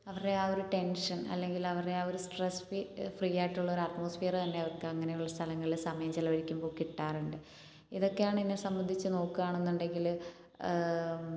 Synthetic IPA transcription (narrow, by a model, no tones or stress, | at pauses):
ɐʋɐreaːoɾuʈe̞nʂɐnɐ̰lːe̞ŋɡilɐʋɐreaːoɾusʈresfifrijaːjʈːuɭːɐoɾɐʈmoːsfeːrɐt̪ɐnːe̞ɐʋɐrkɨɐŋːɐnejuɭːɐst̪ʰɐlɐŋːɐɭilsɐmɐjɐmt͡ɕilɐʋɐɻikʲːumbo̞ːkiʈːaːruɳɖɨ | iðo̞kːejaːɳɨinːesɐmbɐnd̪ʱit͡ɕːɨno̞ːkːuʋaːɳenːuɳɖe̞ŋɡil